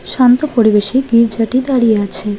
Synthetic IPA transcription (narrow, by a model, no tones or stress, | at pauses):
ʃant̪opoɾibeʃiɡiɾd͡ʑaʈid̪aɾijeat͡ɕʰe